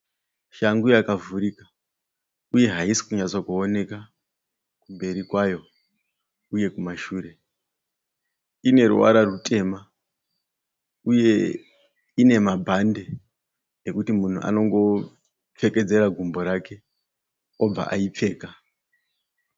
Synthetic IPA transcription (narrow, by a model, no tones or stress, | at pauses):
ʃaŋɡujakavuɾika | uje̞ɦaisi̥kuɲat͡sokuone̞ka | kumbe̞ɾikwajo̞ | uje̞kumaʃuːre̞ | ine̞rṵwa̰ɾarutʰʼe̞ːma | uje̞ | ine̞mabʱande̞ | ekutimun̤ṵʔa̰no̞ŋɡo̞ | p͡fe̞ke̞d͡ze̞ɾaɡʱumbo̞ɾake̞ | o̞b͡va̰ʔaip͡fe̞ːka